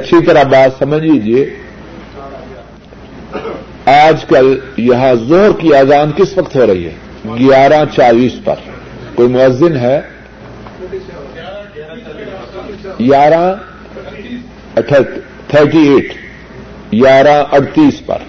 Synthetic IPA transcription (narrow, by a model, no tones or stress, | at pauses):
ɐtːʃʰit̪ɐɾabaːt̪sɐməd͡ʒʱliːd͡ʒie | aːd͡ʒkəljɐɦãzoɦɾkiaːd̪aːnkɪsʋɐkt̪ɦoːɾɐɦḭɦɛ̰ː | ɡjaːɾãt͡ʃaːliːspɐ̰ɾ | koːimʊəzːɪnɦɛ | ɡaːɾã | tʰ | t̪ʰəɾʈieːʈʰ | ɡaːɾãʔɐʈt̪iːspɐ̰ɾ